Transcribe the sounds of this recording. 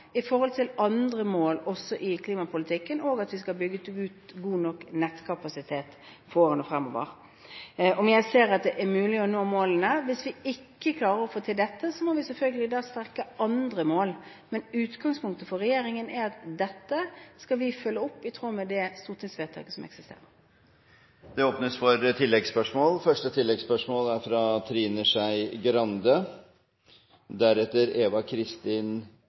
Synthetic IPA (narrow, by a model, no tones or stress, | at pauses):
ɪfɔʁhɔlt̪ʰɪlʔɑnd̪ɾəmoːlɔsːɔʔɪkʰliːmɑpʰʊlɪt̪ʰɪkːənoːɡɑt̪ʋɪskɑlbʏɡːət̪ʉːt̪ɡuːnɔkːnɛt̪ːkʰɑpɑsɪt̪ʰeːt̪ | foːɾənɔfɾɛmːɔ̰ːʋə̰ɾ | ɔmjæɪseːɾɑt̪̚d̪ɛʔæɾmʉːlɪɔnoːmoːlənəʋɪsʋɪɪkːəkʰlɑːɾəɾɔfoːt̪ʰɪld̪ɛt̪ːəsɔmɔʋɪsɛlfœlɡəlɪd̪ɑːst̪æɾkəɑnd̪ɾəmoːl | mɛnʉːt̪ɡɑŋspʰʊŋk̚t̪əfɔʁɛjeːɾɪŋənæɾɑt̪d̪ɛt̪ːəskɑʋɪfœlːəɔpːɪt̪ʰʁuːmɛd̪ɛst̪uːʁt̪ʰɪŋsʋeːt̪ʰɑ̰ːkəsɔmɛ̰ksɪst̪ḛːɾəɾ | d̪̥ɛoːpnəsfɔɾt̪ʰɪlːɛɡspœʂmoːlfœʂʈət̪ʰɪlːɛɡspœʂmoːlæɾfɾɑt̪ʰɾiːnəʂæɪɡɾɑnd̪ə | d̪æɾɛt̪ːəɾeːʋɑkʰɾɪst̪iːn